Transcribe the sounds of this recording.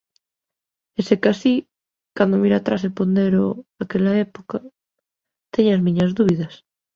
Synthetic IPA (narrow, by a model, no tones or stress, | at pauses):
esekasi | kand̪omiɾat̪ɾas̬epond̪eɾoakeʎaepoka | t̪eɲazmĩɲazðuβiðas